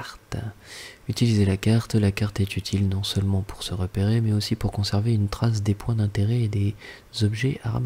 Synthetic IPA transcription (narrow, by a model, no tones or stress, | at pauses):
ʁt̪ | yt̪ilizelakaʁt̪lakaʁt̪ɛt̪yt̪ʰilnɔ̃sœlmɑ̃pu̥ʁsəʁəpeʁemɛosipuʁkɔ̃sɛʁveynt̪χas̬d̪epwɛ̃d̪ɛ̃t̪eʁɛed̪e | zɔbʒɛʔaʁa̰m